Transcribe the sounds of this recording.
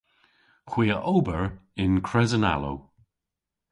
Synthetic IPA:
xw̥iːəʔowbəɹɪnkʰɹɛzəna̰lo̰w

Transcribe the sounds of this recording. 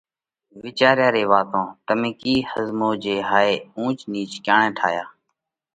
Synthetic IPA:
ʋɪːt͡ʃaːɾjaːɾeːʋaːt̪õːt̪əmĩːkiːhəzmoːd͡ʒeːɦaːeːũːt͡ʃniːt͡ʃkjaːɳẽːʈʰa̰ːjaː

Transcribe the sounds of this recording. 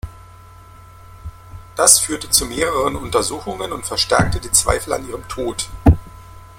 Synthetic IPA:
d̥asfyːɐtət͡sumeːʁəʁənʊntɐzuːxʊŋənʊntfɛɐʃtɛ̰ɐk̚tədiːt͡sv̥a̰ɪfl̩a̰nʔiːʁəmtʰoːt

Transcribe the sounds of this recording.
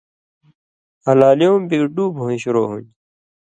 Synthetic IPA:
ɐlaːlijõːmbiɖuːbʱõːĩɕuɾoːɦṵɲ

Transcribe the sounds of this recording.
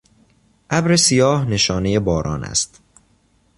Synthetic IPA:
ʔæbɾe̞sijɒːhne̞ʃɒːne̞je̞bɒːɾʔɒ̰ːnæ̰st̪

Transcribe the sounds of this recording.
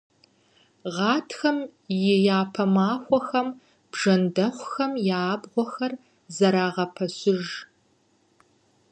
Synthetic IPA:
ʁɑːtʰxɐmjɛjaːpʰɐmaːxʷɔxɐm | b̥ʐɐndɐχʷʊxɐmjaːbʁʷɔxɐr | zɐɾaːʁɐpʰɐɕɪʒ

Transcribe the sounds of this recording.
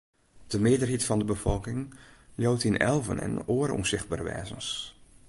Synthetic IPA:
d̥əmɪədərɦitfɔndəbəfɔlˠkɪŋjoːtinɛ̰lˠvə̰nɛ̰noərɔ̰msɪxt̚baːrəʋɛ̰ːzəns

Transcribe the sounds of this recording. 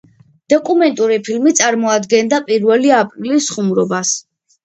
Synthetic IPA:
d̪̥ɔkʼumɛnt̪ʼuɾipʰilmit̪sʼaɾmɔad̪ɡɛnd̪apʼiɾvɛliapʼɾilisːχumɾɔbas

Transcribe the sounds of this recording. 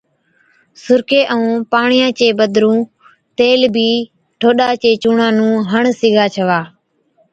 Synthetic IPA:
sʊɾkeːʔəũːpaːɳɪjãːt͡ʃeːbəd̪ɾũː | t̪eːlbʱiː | ʈʰoːɗaːt͡ʃeːt͡ʃuːɳãːnũːɦəɳsɪɡʱaːt͡ʃʰəʋaː

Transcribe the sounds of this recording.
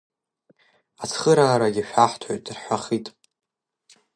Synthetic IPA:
at͡sʰχəɾaːɾaɡʲiʃᶣaħʷtʰaɥtʼrħʷaχitʼ

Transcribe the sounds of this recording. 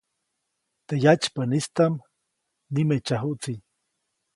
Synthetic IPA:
t̪ejat͡ʃpənist̪am | nimet͡ʃaɦuʔt͡siɲ

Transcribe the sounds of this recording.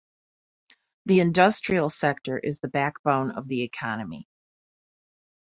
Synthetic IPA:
ðiɨ̃ndʌstɹ̥il̩ˠsɛk̚tə˞ʔɨzðɨbæk̚b̥õʊ̃nʌ̰vðiɨkʰɑnɨmḭ

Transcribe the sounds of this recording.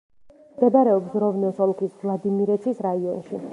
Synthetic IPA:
mɡad̪aɾɛɔpsɾɔvnɛsɔlˠkʰisvlˠad̪imiɾɛt̪sʰisɾaiɔnʃi

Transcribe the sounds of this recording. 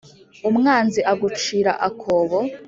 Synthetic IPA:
umŋaːnziʔaɡut͡ʃiːɾaʔakʰoːβo

